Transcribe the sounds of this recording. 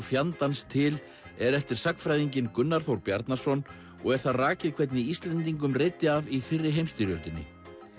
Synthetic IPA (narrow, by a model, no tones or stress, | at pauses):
fjant̪anst̪ʰɪl | ɛɾɛft̪ɪɾ̥saknfɾajðiɲcɪnkʏnːaɾ̥θowɾpjaɾt̪nḁsɔn | ɔ̰ɣɛɾ̥θaðraːcɪðkʰvɛt̪̬nɪist̪lɛnt̪iŋkʏmrejt̪ːɪavifɪrːɪ̥ɦejmst̪ʏɾjœlt̪ɪnːɪ̰